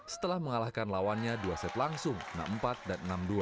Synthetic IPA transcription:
sə̥t̪əlahməŋalahkanlawanɲaduasɛt̪laŋsʊŋna̰m̩pat̪̚danənamdua

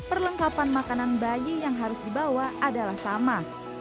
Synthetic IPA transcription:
pərləŋkapanmakananbajijaŋɦaɾʊsdibawaʔadalahsama

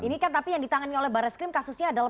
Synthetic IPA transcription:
inikant̪apijaŋdit̪aŋaniolɛhbaɾaskɾɪmkasusɲaːdala

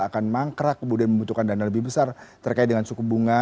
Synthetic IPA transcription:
akanmaŋkɾakːəmudianməmbut̪ukandanaləbɪhbəsart̪ərkaɪit̪̚dəŋansukubuŋa

